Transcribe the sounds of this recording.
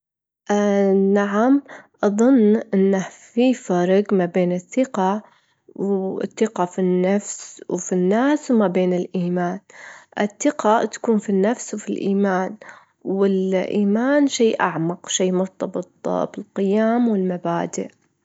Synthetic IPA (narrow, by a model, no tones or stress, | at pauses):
ʔnaʕamʔɑðˤʊnːʔɪnːafiːfaɾˤɑɡmabeːnɪθːɪqɑ | w̰θːɪqafinːafswfinːaːswmabeːnɪlʔiːmaːnʔɪθːɪqat̪ḁkuːnfinːafswfilʔiːmaːn | wɪlʔiːmaːnʃeːʔaʕmɑqʃiːmʊɾt̪ˤɑbɨt̪ˤb̥ɪlqɪjaːmwɪlmabaːd̪ɪ̰ʔ